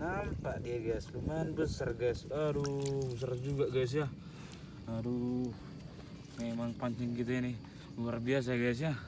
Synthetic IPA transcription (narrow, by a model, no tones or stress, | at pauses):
nampadiaɡaslumanbəsərɡasbaɾubəs̬ard͡ʒuɡaɡas̬ja | adu | ŋamaŋpaɲt͡ʃɛŋkit̪̬ɛini | luarbias̬aɡas̬ia